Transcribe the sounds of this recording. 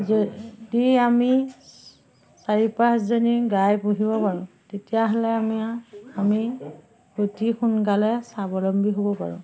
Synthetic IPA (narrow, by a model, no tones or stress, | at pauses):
zdiami | saɹipaszɔniɡajpuɦibɔpaɹʊ̃ | tetijaɦɔlɛamiami | kotixunkalɛsabɔlɔmbʱiɦobɔpa̰ɹʊ̰̃